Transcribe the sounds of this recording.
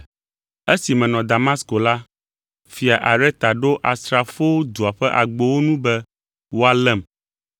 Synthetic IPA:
e˦si˨mɛ̃˨nɔ̃˨d̪a˨mã˦sko˨la˦ | fi˨a˨ʔa˨ɖɛ˦t̪a˨ɖo˦ʔa˨st̪ɾa˨fo˦d̪u˨a˨ɸɛ˦ʔa˨ɡ͡bo˨wo˦nũ˦bɛ˦ | wo˦a˨lɛ˦˨m

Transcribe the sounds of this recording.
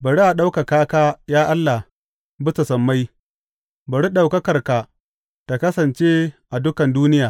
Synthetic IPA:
bɐ˨ɽi˦ʔa˨ɗa˦wka˨kaː˦kaː˦jaː˦ʔa˦lːa˨ | bʊ˦sɐ˨sɐ˨mːa˦j | bɐ˨ɽi˦ɗa˨wkɐ˦kɐ˨rka˨ | ta˨kɐ˦sɐ˨nt͡ʃe˦ʔa˨dʊ˦kɐ˨nduː˦nɪ˦jaː˨

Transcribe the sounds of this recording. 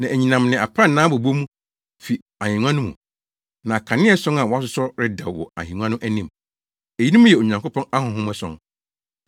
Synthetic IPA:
nã˨ʔæ˨ɲĩ˨nã˨mnɪ̃˨a˨pʰɾa˦˨nãː˦bo˨bo˦mũ˦ | fi˨ | a˨hĩ˨ŋʷ˦ã˦nʊ̃˦mṵ̃˨ | nã˨kʰã˨nɪ̃˦ɛ˦sɔ̃˦na˨wɔ˨˦a˦s̬ʊ˦sɔ˦ɾɪ˦da̰˨wɔ̰˨a̰˨ɦĩ˨ŋʷ˦ã˦nʊ̃˦ʔæ˦nĩ˦˨m | e˨ji˦nĩ˦mũ˦jɛ˨o˨ɲã˨ŋko˦pʰɔ̃˦na˦ɦʊ̃˨ɦʊ̃˦mɛ˦sɔ̰̃˨˦n

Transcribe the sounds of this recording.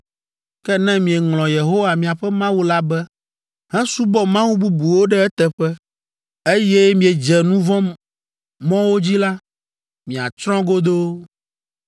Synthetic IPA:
kɛ˦nɛ̃˦mĩ˨ɛ˨ŋlɔ̃˨je˨ɦo˦wa˨mĩ˨a˨ɸɛ˦mã˦wu˦la˦bɛ˦ | ɦɛ̃˦su˦bɔ˦mã˦wu˦bu˦bu˨wo˦ɖɛ˦ɛ˦t̪ɛ˨ɸɛ˦ | e˦je˦mĩ˨e˨d͡ʒɛ˨nũ˦vɔ̃˦ | mɔ̃˦wo˦d͡ʑi˦la˦ | mĩ˨a̰˨t͡ʃɾɔ̃˦ɡo˦d̪o˦

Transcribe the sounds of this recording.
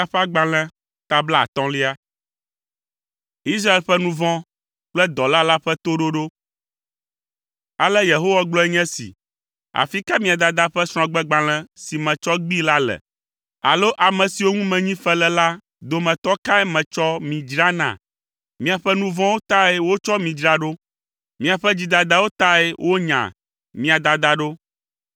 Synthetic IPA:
a˦ɸa˦ɡ͡ba˨l̃ɛ̃˦ | t̪a˦bla˦a̰˨t̪ɔ̃˦li˦a˦ | i˦s̬ɾa˦e˦lɸɛ˦nũ˦vɔ̃˦ | k͡plɛ˦d̪ɔ˨la˦la˦ɸɛ˦t̪o˦ɖo˦ɖo˦ | a˨lɛ˦je˨ɦo˦wa˦ɡ͡blɔ˦ɛ˦ɲɛ̃˦sḭ˨ | a̰˨fi˦ka˦mĩ˦a˨d̪a˨d̪a˦ɸɛ˦sɾ̃ɔ̃˨ɡ͡bɛ˦ɡ͡bã˨l̃ɛ̃˦si˨mɛ̃˨t͡ʃɔ˦ɡ͡bi˦la˦lɛ̰˨ | a̰˨lo˦ʔa˨mɛ̃˨si˨wo˦ŋũ˦mɛ̃˨ɲĩ˦ɸɛ˦lɛ˦la˦ | d̪o˨mɛ̃˨t̪ɔ˦ka˦ɛ˦mɛ̃˨t͡ʃɔ˦mĩ˨d͡ʒɾa˦nã̰˨ | mĩ˦a˨ɸɛ˦nũ˦vɔ̃˦wo˦t̪a˦ɛ˦wo˦t͡ʃɔ˦mĩ˨d͡ʒɾa˦ɖo˦ | mĩ˦a˨ɸɛ˦d͡ʑi˦d̪a˨d̪a˦wo˦t̪a˦ɛ˦wʔo˦ɲã̰˨ | mĩ˦a˨d̪a˨d̪a˦ɖo˦

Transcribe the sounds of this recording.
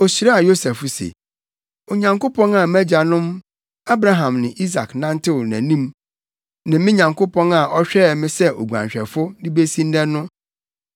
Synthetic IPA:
o˨si˨ɾa˦a˨jo˦sɛ˨fʊ˨˦sḛ˨ | o˨ɲã˨ŋko˦pʰɔ̃˦na˨mɛ˦d͡ʑa˨nʊ̃˦m | a˦bɾa˦ɦã˨mnɪ̃˨ʔi˦s̬a̰˨knã˦n˦tʰɪ˦˨næ̃˨nĩ˦m | nã˨mɪ̃˦ɲã˨ŋkʰʊ˦pɔ̃˦na˨ʔɔ˦ɕᶣɛ˦˨mɪ̃˦sɛ˦o˨ɡu˨ã̰˨ɲᶣ˨ɛ̰˨fʊ˦dɪ˦be˦sĩ˦n̩˦dɛ˦nːʊ̃˦

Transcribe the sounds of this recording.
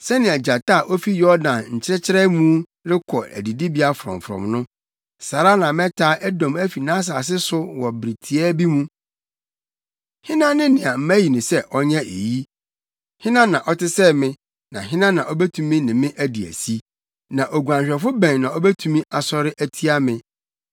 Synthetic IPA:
sɛ˦nɪ̃˨ɛ˨d͡ʑa˨ta˦˨ʔɔ˦fi˦jɔ˦dã˨nɲ̩˨t͡ɕʰɪ˦ɾɪ˦t͡ɕʰɪ˦ɾɛ˦mũ˦ | ɾɪ˦kʰɔ˨æ̰˨di˨di˦bi˨˦a˦fʊ˨ɾɔ̰̃˨m˨fɾɔ̰̃˨mnʊ̃˦ | saː˨ɾa˦nã˨mɛ̃˦tʰaː˦ʔɛ˦dɔ̃˨mæ˦fi˨nã˦s̬a˨s̬ɪ˦sʊ˦wɔ˨bɾi˨tʰi˨ɛ˦bi˦mũ˦ | hɪ̃˦nã˦nɪ̃˦nɪ̃˨a˨m̩˦mæ˦ji˨nʊ̃˨sɛ˦ʔɔ˦ɲɛ̃˦ʔḛ˨ji˦ | hɪ̃˦nã˦nːã˨ʔɔ˦tɪ˦sɛ˦mɪ̃˦ | nã̰˨ɦɪ̃˦nã˦nã˨ʔɔ˦bæ˦tʰũ˦mĩ˦nɪ̃˨mɪ̃˦ʔæ˦di˨æ̰˨si˦ | nã˨ʔo˨ɡu˨ã˨ɲɕᶣɛ˨fʊ˦bæ̃˨nnã˨ɔ˦bæ˦tʰũ˦mĩ˦ʔa˨sɔ˦ɾɪ˦ʔæ˦tʰi˦a˦mɪ̃˦

